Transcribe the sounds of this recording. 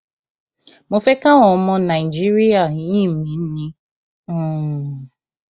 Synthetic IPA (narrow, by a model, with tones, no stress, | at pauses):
mo˨fe˦ka˦ŋɔ˨˦mɔ˦na˨i˨d͡ʒi˦ɾi˦a˨ɲi˦mi˨n̩˦ni˦˨